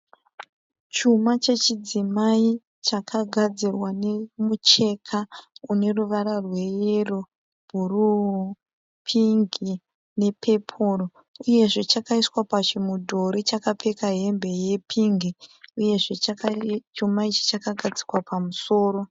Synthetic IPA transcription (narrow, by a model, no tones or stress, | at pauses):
t͡ʃumat͡ʃe̞t͡ʃid͡zimai | t͡ʃakʰaɡʱad͡zirwane̞mut͡ʃe̞kʰaune̞ruʋaɾarwe̞jero | bʱuru | pʰiŋɡi | ne̞pe̞pʰoro | uje̞ʐe̞t͡ʃakaiswapat͡ʃimudʱo̞ɾit͡ʃakape̞kaɦe̞mbe̞je̞pʰiŋɡiuje̞ʐe | t͡ʃumait͡ʃi̥t͡ʃakaɡʱad͡zikwapʰamuso̞ːɾo̞